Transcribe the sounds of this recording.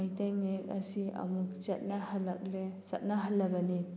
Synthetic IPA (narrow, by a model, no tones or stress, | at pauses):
ajtajmek̚ɐsiɐ̰muk̚t͡ʃet̚nahalːak̚lesat̚naɦalːabani